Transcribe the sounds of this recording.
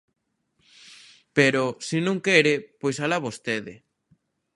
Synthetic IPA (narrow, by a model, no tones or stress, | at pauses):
peɾosɪnõŋkɛɾɪpojsalaβost̪eðɪ̰